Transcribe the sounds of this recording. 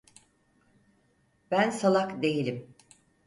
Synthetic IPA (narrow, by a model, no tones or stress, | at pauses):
bænsalˠakd̪e̞jilʲim